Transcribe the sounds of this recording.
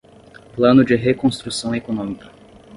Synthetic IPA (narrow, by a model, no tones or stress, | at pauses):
plɐ̃nʊd͡ʒɪɦekõst̪ɾusɐ̃w̃ekonõmikɐ̥